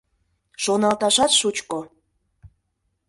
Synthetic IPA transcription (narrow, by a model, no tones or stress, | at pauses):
ʃonɑlt̪ɑʃɑt̪ʃut͡ɕko